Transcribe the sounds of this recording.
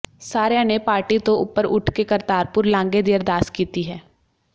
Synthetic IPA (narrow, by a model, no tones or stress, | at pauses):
saːɾjanepaːɾʈit̪oʊ̰pːəɾʊʈʰkekɐɾt̪aːɾpʊɾlãːŋɡed̪ijəɾd̪aːskiːt̪iɦɛː